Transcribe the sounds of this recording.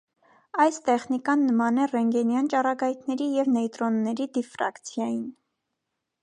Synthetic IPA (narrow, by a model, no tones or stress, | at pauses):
ɑjst̪ɛχnikɑnːəmɑnɛrɛŋɡɛnjɑnt͡ʃɑrɑɡɑjt̪ʰnɛɾijɛvnɛjt̪ɾɔnːɛɾid̪ifɾɑ̰kt͡sʰjɑjin